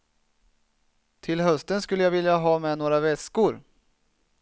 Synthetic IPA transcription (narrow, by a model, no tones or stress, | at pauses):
t̪ʰɪlɦœst̪ənskɵlːəjavɪljaɦɑːmɛnoːɾavɛskʊɾ